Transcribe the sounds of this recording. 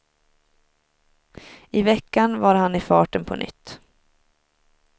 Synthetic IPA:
ɪvɛkːanvaɾɦanɪfɑːʈənpʰɔ̰nʔʏ̰t̪ː

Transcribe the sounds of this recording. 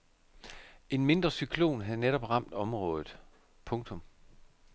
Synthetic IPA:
e̝nme̝nd̥ʁɐsykʰlo̝̰ːnɦæðˠneɾ̥ɒ̽b̥ʁɑ̈m̰d̥ɒ̽mʁɔ̽ːð̞ˠð̩ˠ | pʰɔ̽ŋt͡sʰɔ̽m

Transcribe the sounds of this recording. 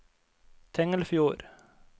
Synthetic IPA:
t̪ʰɛŋəlfjuːɾ

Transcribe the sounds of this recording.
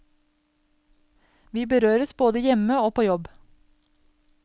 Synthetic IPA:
ʋiːbəɾøːɾəsboːd̪əjɛməoːpʰoːjɔb

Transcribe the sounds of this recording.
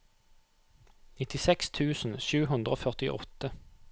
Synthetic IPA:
nɪt̪ɪsɛkst̪ʰʉːsn̩ʃʉːhʉnd̪ʁəoːfœʁt̪ɪʔɔ̰t̪ə

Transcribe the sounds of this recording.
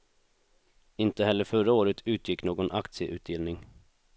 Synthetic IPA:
ɪnt̪əɦhɛlːəɾfœɾaoːɾət̪ʰʉ̟ːt̪jɪkːnoːɡɔnʔakt̪sɪəʔʉ̟ːt̪̚d̪ɪlnɪŋ

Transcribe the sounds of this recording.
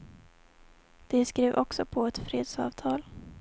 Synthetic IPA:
d̪̥ɛskɾeːvʔɔksɔpʰɔɛt̪fɾeːd̪sɑ̰ːvt̪ʰɑːl

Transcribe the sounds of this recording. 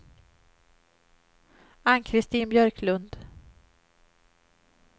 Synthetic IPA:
ankʰɾɪst̪iːnbjœɾkʰlɵnd̪

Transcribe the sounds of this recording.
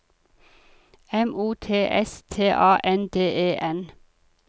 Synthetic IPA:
ɛmuːt̪ʰeːʔɛst̪ʰeːʔɑːʔɛnd̪eːʔeːʔɛn

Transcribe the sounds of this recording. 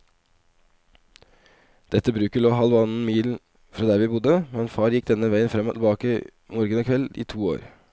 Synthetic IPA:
d̪̥ɛt̪ːəbɾʉːkəɭoːɦɑlʋɑnn̩miːl | fɾɑːd̪æːɾʋɪːbʊd̪əmɛnfɑːɾjɪkːd̪ɛnːəʋæɪənfɾɛmːɔt̪ʰɪlbɑːkə | moːɾɡənɔːkʰʋɛlḭːt̪ʰuːo̰ːɾ

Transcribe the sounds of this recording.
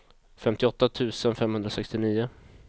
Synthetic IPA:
fɛmt̪ɪɔt̪ːat̪ʰʉ̟ːsənfɛmhɵnd̪ɾasɛkst̪ɪniːʊ

